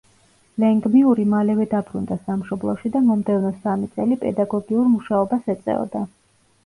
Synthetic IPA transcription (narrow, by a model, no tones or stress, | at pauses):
lɛŋɡmiuɾimalɛvɛd̪abɾund̪asamʃɔblˠɔʃid̪amɔmd̪ɛvnɔsamit̪sʼɛlipʼɛ̰d̪aɡɔɡiuɾmuʃaɔbasɛt̪sʼɛ̰ɔ̰d̪a